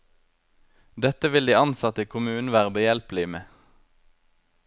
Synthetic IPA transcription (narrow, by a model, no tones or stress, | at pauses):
d̪ɛt̪əʋɪld̪iːɑnsɑt̪əkʰʊmʉːnʋæːʁəbəjɛlplɪmeː